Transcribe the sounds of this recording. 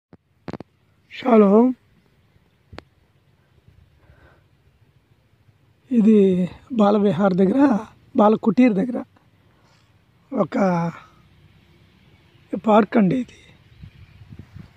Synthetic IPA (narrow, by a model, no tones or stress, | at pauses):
ʃaːloː | id̪ibaːlɐbɛɦaːɾɐd̪ɐɡɐɾɐ | baːlɐkuʈːiːɾd̪ɐɡɾɐ | okːɐ | paːɾkɐɳɖed̪i̥